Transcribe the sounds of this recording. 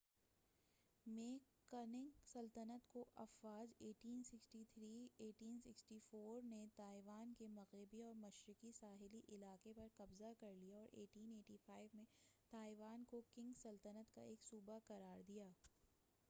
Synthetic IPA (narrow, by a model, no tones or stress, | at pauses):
meːkː | ɐnɪ̃ŋɡsɐlt̪ənət̪koʔɐfwaːd͡ʒeːʈiːnsɪksʈit̪ʰɾiːeːʈiːnsɪksʈifoːɾnet̪aːɪʋaːnkemɐɣɾɪbiɔːɾmɐʃɾɪkisaːɦɪliʔɪlaːqepɐɾkɐbzakɐɾlijaɔːɾʔeːʈiːneːʈifaːɪʋmẽt̪aːɪʋaːnkokɪ̃ŋɡsɐlt̪ənət̪ka̰eːksuːbaqɐɾaːɾd̪ijaː